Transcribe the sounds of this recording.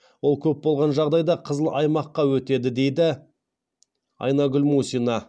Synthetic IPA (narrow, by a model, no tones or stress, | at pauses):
wo̞lˠkʲʰɵp̚bo̞lˠʁɑnʒɑʁd̪ɑjd̪ɑqʰəzəlˠɑjmɑqːɑwɵt̪e̞d̪ɪd̪e̞jd̪ɪ | ɑ̰jnɑɡʲʏlmusinɑ